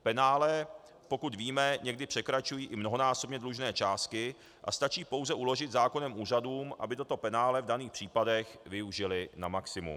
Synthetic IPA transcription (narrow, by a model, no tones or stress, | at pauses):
pɛnaːlɛ | po̞kut̪viːmɛɲɛɡdɪpr̝̥ɛkɾat͡ʃujiːʔɪmno̞ɦo̞naːso̞bɲɛdluʒnɛːt͡ʃaːst̪kɪ | ʔa̰st̪at͡ʃiːpo̞wzɛʔulo̞ʒɪt̪zaːko̞nɛmʔuːraduːmʔa̰bɪt̪o̞t̪o̞pɛnaːlɛvdaniːxpr̥iːpadɛxvɪuʒɪlɪnamaksɪmṵm